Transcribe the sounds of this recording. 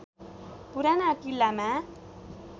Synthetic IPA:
puɾanaːkilːamã

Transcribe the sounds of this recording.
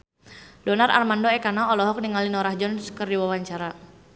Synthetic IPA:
dɔnara̰rmandoɛkanaɔlɔɦɔk̚niŋalinɔɾahd͡ʒɔnskərdiwawaɲt͡ʃaɾa

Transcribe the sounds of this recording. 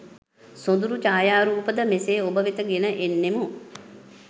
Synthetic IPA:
sod̪uɾut͡ʃaːjaːɾuːpəd̪əmeseːobəʋet̪əɡenəʔenːemu

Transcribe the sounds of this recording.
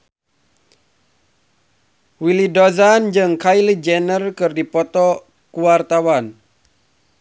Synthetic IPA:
wilidɔzand͡ʒɨŋkajlid͡ʒɛnərkɨrdipɔt̪ɔ | kuwart̪awan

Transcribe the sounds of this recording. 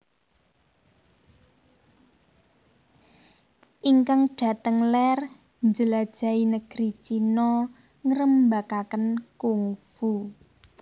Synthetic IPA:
ʔiŋkaŋɖ̥a̤t̪əŋlɛr | ɲd͡ʒəlad̥ʒ̥ä̤inəɡ̥ɾit͡ʃinɔ | ŋəɾəmbakakənkuŋfu

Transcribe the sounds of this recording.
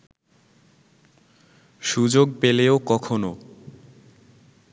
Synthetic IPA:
ʃud͡ʑoɡ̚peleokɔkʰono

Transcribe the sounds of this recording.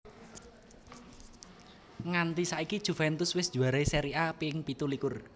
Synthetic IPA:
ŋant̪isaikid̥ʒ̥ṳfɛnt̪ʊswɪsd̥ʒ̥ṳaɾaiseɾiapiɪŋpit̪ulikʊr

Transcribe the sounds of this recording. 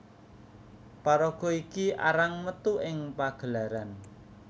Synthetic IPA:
paɾɔɡ̥ɔikiʔa̰ɾaŋmət̪uɪŋpaɡ̥ə̤laɾan

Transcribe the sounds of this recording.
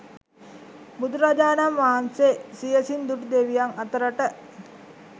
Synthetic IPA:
bud̪uɾad͡ʒaːnamʋaɦansesijəsind̪uʈud̪eʋijaŋat̪əɾəʈə

